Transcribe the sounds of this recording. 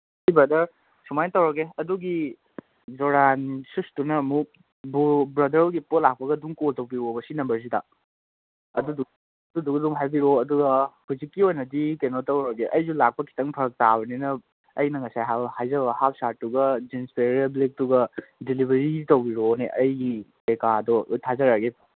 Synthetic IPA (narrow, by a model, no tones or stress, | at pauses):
jbɾɐdɐɾ | sumajtɐwɾɐɡeɐduɡi | zoɾansustunɐmu | bubɾɐdɐɾoɡipotlak̚pɐɡɐduŋkoltɐwbiɾobɐsinɐmbɐs̬ida̰ | ɐdudu | ɐdudukduŋɦajbiɾoɐduɡɐhuzikːiojnɐdikenotɐwɾoɡiʔɐjzulak̚pɐkʰi̥tɐŋpʰɐɾɐk̚tabɐninɐː | jnɐŋɐsajɦabhajzɐbɐhap̚sat̚ːuɡɐd͡ʒinspʰeɾeblik̚tuɡɐdilibʱeɾitɐwbiɾoneʔɐjɡikekadɔtʰazɐɾaɡe